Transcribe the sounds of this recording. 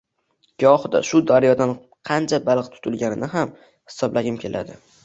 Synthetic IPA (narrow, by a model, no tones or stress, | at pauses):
ɡ̥ʲɒhd̪a̰ʃʊd̪aɾjɒd̪an | qʰɑnt͡ʃʰabalˠqt̪ʰʊ̥t̪ʰʊlɡʲanɪnɪɦam | hɪ̥sɒblʔaɡʲɪmkʲʰe̞lʔa̰d̪ɪ